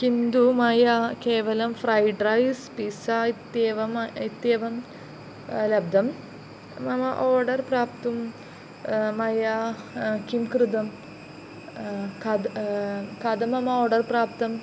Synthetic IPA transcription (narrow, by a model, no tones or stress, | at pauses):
kind̪umɐjakeːʋɐlɐmfɾɐjɖɾɐjspisait̪ːjeːʋɐmit̪jeːʋɐm | lɐb̚d̪ɐm | mɐmɐʔoːɖɐrpɾaːpt̪um | mɐja | kimkɾɨd̪ɐm | kɐd̪ | kɐd̪ɐmɐmɐoːɖɐɾpɾaːpt̪ɐm